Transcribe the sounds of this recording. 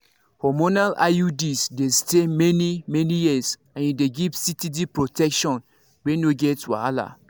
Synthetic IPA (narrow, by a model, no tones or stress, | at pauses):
hɔmonala̰judisdestemɛnimɛnijisãnideɡivsitidipɹotɛkʃɔ̃n | wenoɡɛtwa̰ala̰